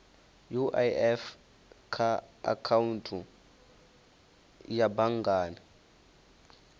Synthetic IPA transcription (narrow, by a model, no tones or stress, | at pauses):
juʔajɛf | kʰaa̰kʰawuntʰu | jabaŋɡaːna